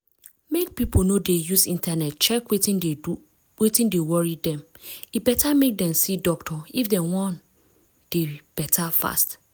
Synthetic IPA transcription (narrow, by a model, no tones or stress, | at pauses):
mek̚pʰipʰonõdejusĩntʰanɛtt͡ʃʰɛkwetĩne | wetĩndewɔɹidɛ̃mibɛtʰamek̚dɛ̃msidɔk̚tʰɔifdɛ̃wɔ̃n | d̥eb̥ɛtʰafa̰st